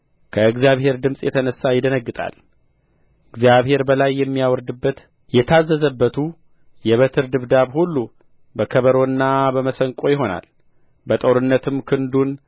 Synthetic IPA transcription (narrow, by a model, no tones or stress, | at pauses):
kʰəɨɡzijaβhe̞ɾd̪ɨmsʼjɛt̪ʰənəsːajɪd̪ənəɡːɨt̪ʼa̰l | ɨɡzijaβhe̞ɾbəlajːɛmːijawɔɾd̪ɨbːət̪ | jɛt̪ʰazːəzəbːət̪ʰu | jɛβət̪ʰɨɾd̪ɨβd̪aβhulːu | bəkʰəβəɾo̞nːabəməsəŋkʼo̞jɪɦo̞na̰l | bət̪ʼoɾɨnːət̪ʰɨmkʰɨnd̪un